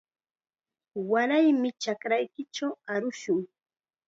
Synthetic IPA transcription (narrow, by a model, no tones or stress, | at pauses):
waɾajmɪt͡ʃakɾajkɪt͡ʃawaɾʊʃʊŋ